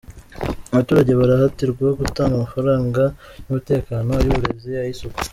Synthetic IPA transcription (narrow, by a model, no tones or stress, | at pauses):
aβatuːɾaɟe̞βaɾahatiɾɡwahoɡutaːŋɡamafaɾaːŋɡanumute̞ːkaːno̞juβuɾe̞zijajisoku̥